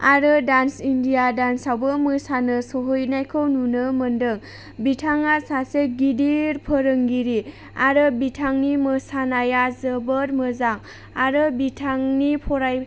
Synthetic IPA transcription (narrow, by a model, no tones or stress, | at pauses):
aɾɯdansindijadansawbəmɯsanɯsɔɦojnajkʰɯwnunɯməndɯŋ | bitʰaŋasaseɡidiɾpʰəɾɯŋɡiɾi | aɾɯbitʰaŋnimɯsanajazəbəɾmɯzaŋ | aɾɯbitʰaŋnipʰɔɾaj